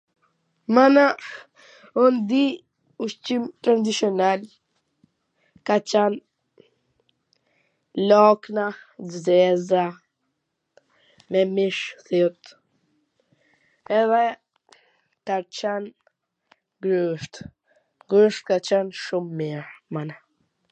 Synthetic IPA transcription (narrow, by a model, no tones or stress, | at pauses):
mana | und̪i | uʃt͡ʃimt̪ɾand̪isiɔnal | kat͡ʃan | lɔknavzɛza | mɛmiʃθit̪ | ɛðɛ | t̪aɾt͡ʃan | ɡɾuʃt̪ | ɡɾuʃt̪̚kat͡ʃɛnʃumːiɾmana